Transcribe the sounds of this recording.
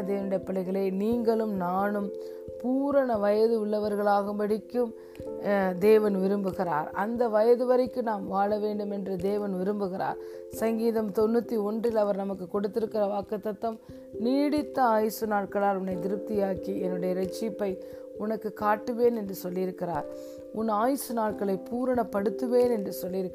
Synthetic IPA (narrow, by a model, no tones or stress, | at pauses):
d̪eːʋɐnɯɽɐjɐpːɐɭɐɪɣɐɭeːniːŋɡɐɭɯmnaːnɯm | puːɾɐɳɐʋɐjɐðɯʊɭːɐʋɐɾɣɐɭaːɣɯmbɐɽɪkːɯm | d̪eːʋɐnʋɪɾɯmbɯɣɪra̰ːɾɐ̰nd̪ɐʋɐjɐðɯʋɐɾɪkːɯnaːmʋaːɭɐʋeːɳɖɯmɛndrɐd̪eːʋɐnʋɪɾɯmbɯɣɪɾa̰ːɾ | sɐŋɡiːðɐmt̪ɔnːɯt̪ːiɔndrɪlɐʋɐɾnɐmɐkːɯkɔɽɯt̪ːɪɾɯkːɪrɐʋaːkːɐt̪ːɐt̪ːɐm | niːɽɪt̪ːɐaːjɪsɯnaːʈ̚kɐɭaːlʊnːɐɪd̪ɪɾɯp̚t̪ɪjaːkiɛnːɯɽɐjɐɾɛt͡ʃːɪpːɐɪ | ʊnɐkːɯkːaːʈːɯʋeːnɛndrɯsɔlːɪɪɾɯkːɪra̰ːɾ | ʊnaːjɪsɯnaːʈ̚kɐɭɐɪpuːɾɐɳɐpːɐɽɯt̪ːɯʋeːnɛndrɯsɔlːɪɾɯkː